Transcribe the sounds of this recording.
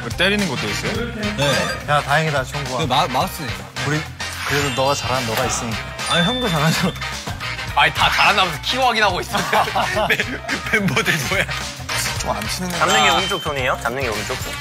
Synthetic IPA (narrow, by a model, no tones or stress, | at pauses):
kɯt͈eɾinɯnɡot͈ois͈ʌjone̞jatajeŋedat͡ɕʰʌŋɡuaenamas͈ɯe | kɯɾi | kɯɾedonʌɡat͡ɕaɾanːʌɡais͈ɯɲiɡaaaiɦɯnɡɯt͡ɕaɾad͡ʑo | aitat͡ɕaɾɦanamesʰʌkʰioaɡiɦaɡois͈ɯeepembodemoja | t͡ɕ͈oma̰nt͡ɕʰinɯnat͡ɕamnɯŋjʌɡint͡ɕ͈ok̚s͈oɲejot͡ɕamnɯŋjʌɡint͡ɕ͈ok̚s͈ʰo